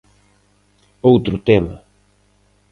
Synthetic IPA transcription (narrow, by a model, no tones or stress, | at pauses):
owt̪ɾʊt̪emɐ̰